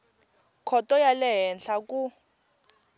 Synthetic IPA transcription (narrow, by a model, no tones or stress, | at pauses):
kʰɔtʼɔjalɛɦɛnɬakʼu